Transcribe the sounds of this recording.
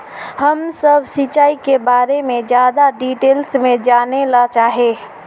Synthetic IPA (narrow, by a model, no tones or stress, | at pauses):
həmsəbʱsit͡ʃaːikebaːɾemẽd͡ʒjaːd̪aɖiʈeːlsmẽd͡ʒanelat͡ʃaːɦe